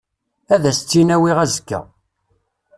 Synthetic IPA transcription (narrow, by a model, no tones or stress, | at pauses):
æðæst͡sːinæwiʁæzkːæ̰